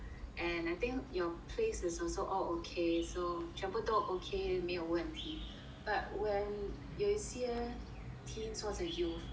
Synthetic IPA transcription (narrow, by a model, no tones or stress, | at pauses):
ʔɛ̃naɪt̪ɪ̃ŋkjɔpʰlesɪsɔlsoʔɔlokʰesot͡ʃɹɛ̃mpətɔtokʰemewəɛ̃nt̪ʰĩm | b̥at̚wɛ̃n | joisiə | tʰĩmswɔ̃sɛju